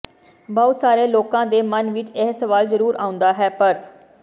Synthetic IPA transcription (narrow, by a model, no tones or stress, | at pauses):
bɔːt̪saːɾeːloːkãːd̪eːmənʋɪt͡ʃɛɦsəʋaːlzəɾuːɾʔaːʊ̃nd̪aːɦɛːpəɾ